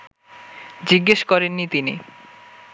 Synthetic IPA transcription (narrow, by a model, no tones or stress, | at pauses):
d͡ʑiɡːeʃkɔɾenːit̪ini